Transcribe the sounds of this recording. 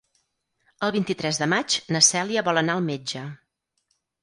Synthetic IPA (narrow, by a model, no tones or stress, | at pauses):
əlˠβint̪it̪ɾɛzðəmat͡ʃnəsɛliəβɔlˠənaəlˠmed͡ʒə